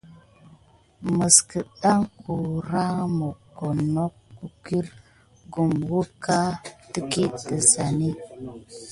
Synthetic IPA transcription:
mə˨skə˨ɗa˦ŋku˨ɾa˦mo˨ko˨no˦kku˨ki˦ɾ | ɡu˨mwu˦ka˦tə˦ki˦tə˨za˨ni˦

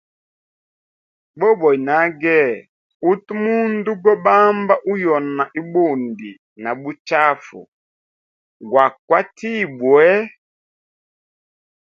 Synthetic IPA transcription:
bɔ˦bɔ˨i˨na˨˦ɡɛ˦˨ | u˦tu˦mu˦ndu˦ɡɔ˦ɓa˦mba˦ʔu˦jɔ˨na˨ʔi˦bu˦˨ndi˨ | na˨bu˦t͡ʃa˦fṵ˨ | ɡwa˨kwa˦ti˦˨bwɛ˦

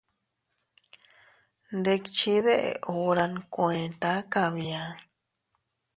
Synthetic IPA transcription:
nd̪e˧kt͡ʃi˦ðe˦ʔḛ˨ʔo˧ɾa˧nkwẽ˨nt̪a˦ka˧˨βi˧ã˧

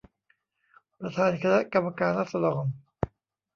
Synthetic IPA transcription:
pɾa˧t̪ʰaː˧nkʰa˧na˦˥ʔka˧mːa˧kaː˧nɾa˦˥t̪̚sa˧d̪ɔː˧m

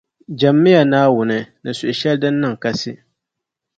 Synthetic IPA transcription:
d͡ʒa˨mːɪ˦ja˨naː˦wʊ˨nɨ˨nɨ˨sʊ˨ʔʊ˨ʃɛ˦ldɨ˦nːɨ˦˨ŋka˦sɨ˦

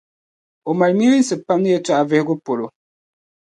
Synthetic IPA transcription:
o˨ma˨lmi˦ɾi˦n̩˦sɨ˨pa˦mnɨ˦jɛ˦ta˦˨ʔa˨vɛ˦hɡu˦po˨ɾo˨

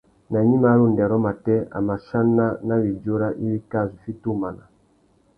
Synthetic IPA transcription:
na˨ɲi˦ma˨˦ɾu˦˨ndɛ˨ɾɔ˦ma˨tɛ˦a̰˨ma˨ʃa˦nːa˦na˦βi˨d͡ʒo˦ɾa˦ʔi˦βi˦ka˦˨zʷi˨fi˦tu˦˨ma˨na˨

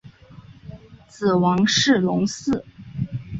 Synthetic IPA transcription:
t͡sɹ̩˨˩wɑ˧˥ŋʂɻ̩˥˩lʊ˧˥ŋsɹ̩˥˩

